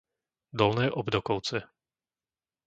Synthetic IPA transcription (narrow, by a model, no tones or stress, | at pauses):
d̪ɔlnɛːʔɔbd̪ɔkɔʊt͡sɛ